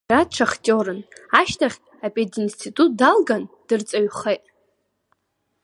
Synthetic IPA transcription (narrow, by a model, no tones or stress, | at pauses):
atʈ͡ʂʷʰaχtʼoɾɨnaʃtʰaχʲkʲʼapʼedinstʰitʼut̚ʼdalɡand̥ɨrt͡sʼaɥχejtʼ